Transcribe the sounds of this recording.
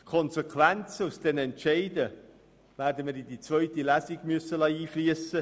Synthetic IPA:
tkʰɔnsekʰʋænt͡səusd̥̪ɛnɛntʃɛɪdə | væːɾdəməɾidit͡sʋœʏt̪ilæsiɡ̥mʏəsːəlɑiːfliəsə

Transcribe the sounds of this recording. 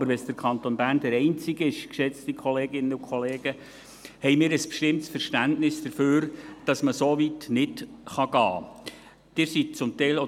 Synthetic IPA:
bəɾʋɛsd̥əɾkʰɑnt̪onbæːrndəɾɛɪnt͡sɪɡəɪʃkʃɛt͡stikχɔleːɡɪnːəukʰχɔleːɡ̥ə | hɛjmɪːɾəspʃtɪmtsfəɾʃtæntnɪsd̥əɾføːɾd̥ɑsməsoʋitnɪtχɑɡɑː | d̥ɪːɾsit̚t͡sʊmtɛɪlo

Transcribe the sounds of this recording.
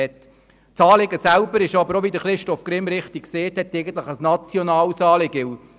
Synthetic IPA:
ɛt | t͡sɑːlɪɡəsælbəɾɪʃɑbəɾoʋid̪əχɾɪʃtɔfkɾɪmɾɪχtikkseːthɛt̪ːɛɪɡən̩t̪ləχəsnɑt͡sjɔnɑːlsɑːlɪɡɪw

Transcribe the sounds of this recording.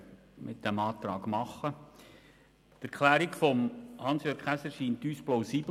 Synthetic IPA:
mʔɪt̚d̥ɛmɑːt̪ɾɑːɡ̥mɑχːə | tæɾkʰlæːɾikfɔmhɑnsjøːɾkχæsəʃiːntyːsplaʊsiːb

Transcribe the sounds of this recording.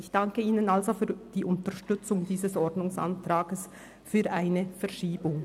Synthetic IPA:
ɪçd̥aŋkəiːnənalzofyːɐd̥iːʔʊntəʃtʏt͡sʊŋdiːzəsʔɔʁdnʊŋsa̰ntʁ̥aːɡəs | fyːɐʔaɪnəfɛɐʃiːbʊŋ

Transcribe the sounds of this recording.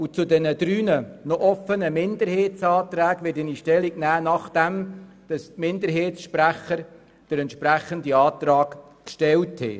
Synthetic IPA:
ut͡sʊdɛnəd̪̥ɾyːnənɔʔɔfənəmɪnd̪əɾheːtt͡sɑːt̪ɾæːɡʋɪtɪniʃtɛliɡnæːnɑχd̥æm | d̥ɑstmɪnd̪əɾɦeːtsʃpræχəɾ | d̥əɾɛntʃpɾæχəndiɑːt̪rɑːk | kʃtɛlthɛ̰

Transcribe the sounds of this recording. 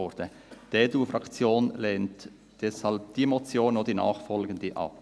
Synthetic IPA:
ɔɾd̥ə | d̥eːduːfɾɑkt͡sjoːnlɛːnt | d̥ɛshɑlp̚d̥iːmɔt͡sjoːnod̥̪inɑ̰ːχfɔlɡəndiʔɑ̰p̚

